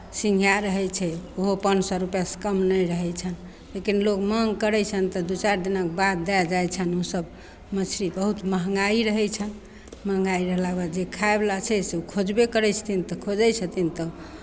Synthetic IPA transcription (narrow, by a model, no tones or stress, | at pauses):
sĩŋɡʱijaɾəɦɛt͡ʃʰɛoɦopənsɔɾupjasə̥kəmnəjɾəɦɛt͡ʃʰən | lekinlokməɦŋɡkəɾɛt͡ʃʰənt̪ɔd̪ut͡ʃaɾd̪inakbad̪d̪ajd͡ʒajt͡ʃʰənosəb | mət͡ʃʰɾibəɦut̪məɦŋɡaiɾəɦɛt͡ʃʰən | məɦŋɡaiɾəɦlabad͡ʒekʰaeblat͡ʃʰɛseukʰod͡ʒbekəɾɛt͡ʃʰə̥t̪ʰint̪ɔkʰod͡ʒɛjsʰət̪ʰint̪ɔ